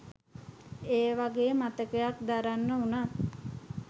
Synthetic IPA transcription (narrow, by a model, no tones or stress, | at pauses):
eːʋaɡeːmat̪əkəjak̚d̪aɾanːəunat̪